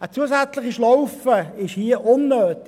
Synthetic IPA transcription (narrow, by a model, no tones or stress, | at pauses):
ət͡suəsæt͡slɪχiʃlɔʊfəɪʃhiəʔʊnːøːtɪ